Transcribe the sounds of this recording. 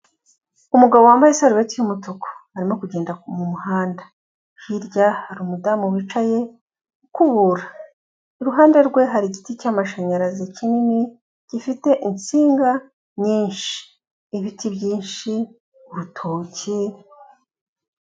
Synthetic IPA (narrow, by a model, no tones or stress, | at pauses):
umuɡaβo̞waːmbajesaɾuβetijumutokʰo̥haɾimo̞kuɟeːndakumumuhaːnda | hiɾɟahaɾumudamuβit͡ʃaje̞ | kuβuɾa | iɾuɦaːnde̞ɾɡwe̞ɦaɾiɟiticaːmaʃaɲaɾazicinini | ɟ̥ifite̞ʔint͡siːŋɡa | ɲiːnʃi̥ː | βitibjiːnʃi | uɾutʰoːci